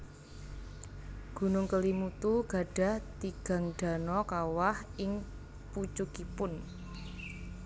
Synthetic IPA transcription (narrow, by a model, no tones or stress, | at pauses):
ɡ̥ṳnʊŋkəlimut̪uɡ̥a̤ɖ̥ä̤ht̪iɡ̥ä̤ŋɖ̥a̤nɔkawahʔɪŋ | put͡ʃukipʊn